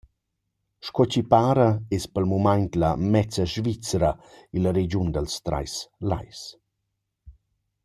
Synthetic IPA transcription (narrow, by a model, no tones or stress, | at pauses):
ʃkɔt͡ɕipaːɾaɛspəlmumaɲt̪lamɛt͡səʒvit͡sɾailəɾed͡ʒund̪əlst̪ɾa̰jsla̰js